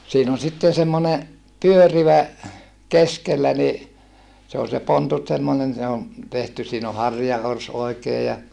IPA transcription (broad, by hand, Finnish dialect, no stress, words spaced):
siːn on sitːen semːone pyøriʋæ keskelːæ ni se ol se pontut semːonen se o tehty siːn o hɑrjɑors oi̯keː jɑ